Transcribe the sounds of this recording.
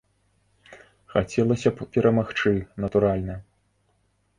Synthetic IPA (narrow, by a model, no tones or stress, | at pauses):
xat͡sʲɛlˠɐsʲɐppʲɛɾʔɐmaxt͡ʂɨnɐt̪uɾalʲnɐ